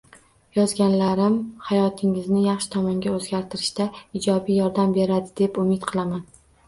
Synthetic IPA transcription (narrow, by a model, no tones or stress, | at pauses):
jɒzɡʲanlaɾɪmhajɒt̪ʰɪŋɪznɪjɑχʃɪ̥t̪ʰɒmɒŋɡʲaɵzɡʲaɾt̪ʰɪɾɪʃt̪aɪd͡ʒɒbijɒɾd̪ambe̞ɾad̪ɪd̪e̞pʊmɪt̪qʰɨlˠaman